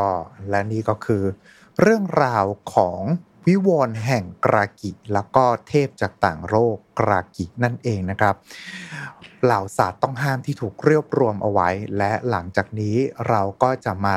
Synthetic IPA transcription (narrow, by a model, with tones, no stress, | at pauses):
ɔː˥˩lɛ˦˥niː˥˩kɔː˥˩kʰɯː˧ | ɾɯ˥˩əŋɾaː˧wkʰɔː˩˦ŋ | wi˦˥woː˧nɦɛ˨˩ŋkɾaː˧ki˨˩lɛː˦˥wkɔː˥˩t̪ʰeː˥˩p̚t͡ɕaː˨˩k̚t̪aː˨˩ŋɾoː˥˩kːɾa̰ː˧ki˨˩k̚na˥˩nʔeː˧ŋna˦˥kʰɾa˦˥p̚ | laː˨˩˦wsaː˨˩t̪ːɔ˥˩ŋɦaː˥˩mt̪ʰiː˥˩t̪ʰuː˨˩k̚ɾi˥˩əp̚ɾu˧əmʔa̰˧wa˦˥jlɛ˦˥la˩˦ŋt͡ɕaː˨˩k̚niː˦˥ɾa˧wkɔː˥˩t͡ɕa˨˩maː˧